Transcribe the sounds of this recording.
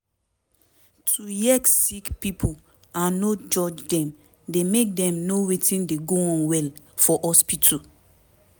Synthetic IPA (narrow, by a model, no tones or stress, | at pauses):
tʰujɛksikpipʰo | ãnːod͡ʒɔd͡ʒdɛ̃m | demek̚dɛ̃mnowetĩndeɡoɔ̃nwɛl | fɔʔɔspitʰu